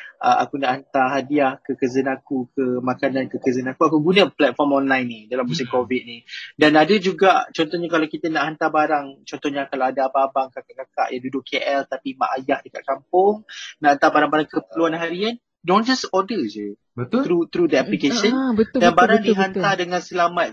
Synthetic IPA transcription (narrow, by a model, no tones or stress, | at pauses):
ʔə̰a̰kunaʔhant̪aɦadiahkəkəzənakukʰəmakanankəkəzənakuakuɡunəplɛt̪̚fɔmɔnlajnːidalamːus̬ɪmkovit̪̚nidanadəd͡ʒuɡaʔt͡ʃɔnt̪ɔhɲakalawkit̪ənaʔɦant̪abaɾaŋt͡ʃɔnt̪ɔhɲakalaadaːbaːbaŋkakaʔkaka̰ʔjaŋdudʊʔkʰːeʔɛlt̪apima̰ʔajahdəkat̪̚kampʊŋnaʔhant̪abaɾaŋbaɾaŋkəpəluanɦaɾian | dond͡ʒasɔdəd͡ʒu | bət̪ɾut̪ɾud̪əaplikeʃənədanbaɾaŋdiɦant̪adəŋãnsəlamat̪̚